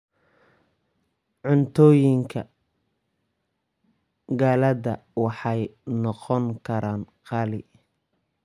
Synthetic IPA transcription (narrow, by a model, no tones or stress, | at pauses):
ʕʊnt̪ʰɔːjɪŋkʰɐ | ɡaːlɐðɐwɑħɑjnɔqɔŋkʰɐɾaːnqɑlɪ̰